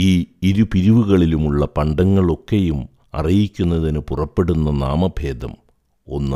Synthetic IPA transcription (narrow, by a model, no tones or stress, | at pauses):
iːiɾupiɾiʋuɣɐɭilumuɭːɐpɐɳɖɐŋːɐɭo̞kːe̞jum | ɐ̰rijikʲːunːɐðinɨpurɐpːe̞ɽunːɐna̰ːmɐbʱe̞ːd̪ɐ̰m | o̞nːɨ